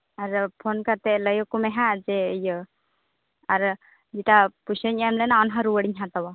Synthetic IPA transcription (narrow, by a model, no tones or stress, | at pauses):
aɾpʰɔnkat̪ɛʔləjɔkumɛɦaʔd͡ʒɛjə | aɾ | d͡ʒiʈapusəɲajamlɛnawnɦãɾuwəɽiɲɦãt̪awa